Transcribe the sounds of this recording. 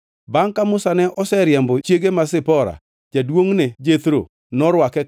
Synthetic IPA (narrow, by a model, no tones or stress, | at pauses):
baŋkamʊsanɛʔɔsɛɾɪjɛmbɔt͡ʃjeɡemasɪpɔɾa̰ | d͡ʒadwoŋned͡ʒet̪ɾo̰ | nɔɾwakɛ